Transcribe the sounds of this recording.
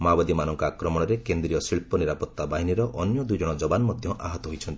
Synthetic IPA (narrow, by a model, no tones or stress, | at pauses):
mabad̪imanɔŋkɔakɾɔmɔɽɔɾekend̪ɾijɔsiɭpɔniɾapɔt̪ːabaɦiniɾɔʔɔnjɔd̪ujd͡ʒɔɽ̃ɔd͡ʒɔbanɔmɔd̪ʱjɔ̃ʔa̰ɦɔt̪ɔɦojt͡ʃʰɔnt̪i̥